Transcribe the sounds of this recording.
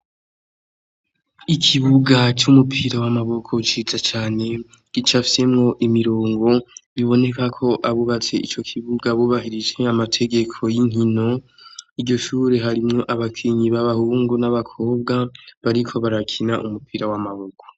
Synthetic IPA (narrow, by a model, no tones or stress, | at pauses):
ikʰiβuɡat͡ʃumupʰiɾawamaβo̞kʰo̞t͡ʃizat͡ʃaːne̞ | kit͡ʃafi̥se̞mŋo̞ʔimiɾo̞ːŋɡo̞βiβo̞ne̞kakʰo̞ʔaβuβat͡se̞ʔit͡ʃo̞kʰiβuɡaβuβaɦiɾid͡ʒe̞amatʰe̞ɡe̞kʰo̞jiŋhino̞ | id͡ʒɟo̞ʃuːɾe̞ɦaɾimŋo̞ʔaβakʰiɲiβaβahuːŋɡonaβakʰo̞ːbɡaβaɾikʰo̞βaɾakʰinaʔumupʰiɾawamaβo̞kʰo̥